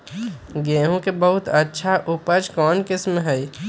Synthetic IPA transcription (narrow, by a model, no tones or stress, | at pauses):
ɡẽːɦũkebəɦʊt̪ətːʃʰaʔʊpəd͡ʒkɔːnkɪsmɦɛi